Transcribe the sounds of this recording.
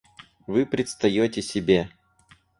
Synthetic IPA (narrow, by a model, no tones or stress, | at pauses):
vɨpɾʲɪt̪st̪ɐjotʲɪsʲɪbʲe